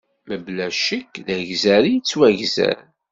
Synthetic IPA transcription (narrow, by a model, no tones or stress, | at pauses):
məblæʃəkðæʝzæɾijt͡sːwæʝzæ̰ɾ